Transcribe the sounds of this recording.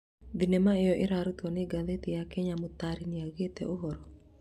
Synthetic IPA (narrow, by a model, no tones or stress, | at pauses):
d̪inemaejɔʔɪɾaɾut̪ɔneɡaðet̪ijakɛɲamʊt̪aɾiniaɡet̪ɛʔoɦɔɾɔ